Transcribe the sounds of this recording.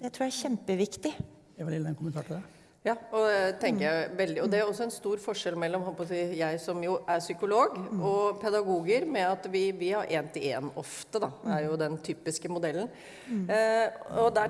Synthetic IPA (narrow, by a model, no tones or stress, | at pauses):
ɛt̪ʰɾuːjæçɛmpəʋɪkt̪ɪ | æʋɑlɪlːd̪ɛnkʰʊmənt̪ɑːʈɪd̪ɛ | jɑːɔɛt̪ʰɛŋkəɾjæɪʋɛld̪ɪɔd̪ɛæɾɔsːɔɛnst̪uːɾfɔʂɛlmɛlːɔmhɔlpʰɔsiːjæɪsɔmjʊʔæɾʂʏkʊloːɡɔpʰɛd̪ɑɡuːɡəɾmɛɑt̪ʋɪʋɪhɑɾʔeːnt̪ʰɪleːnɔft̪əd̪ɑæɾjʊd̪ɛnt̪ʰyːpɪskəmʊd̪ɛlːən̩ | ɔd̪æ